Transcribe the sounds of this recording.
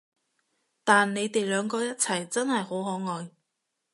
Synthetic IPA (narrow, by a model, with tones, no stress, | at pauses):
t̪aː˨nːe˨˧jt̪e˨jlœː˨˧ŋkɔː˧jɐ˥t̚t͡sʰɐ˨˩jt͡sɐ˥nhɐ˨jho˨˥wɦɔː˨˥ŋɔː˨j